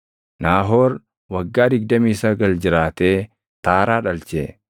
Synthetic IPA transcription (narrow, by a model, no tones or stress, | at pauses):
naːɦoːɾ | wɐɡːaːd̪ɪɡ̚d̪ɐmiːsɐɡɐld͡ʒɪɾaːt̪eː | t̪aːɾaːᶑɐlt͡ʃeː